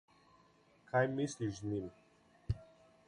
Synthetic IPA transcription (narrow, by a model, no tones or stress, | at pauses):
kʰajmisliʃznim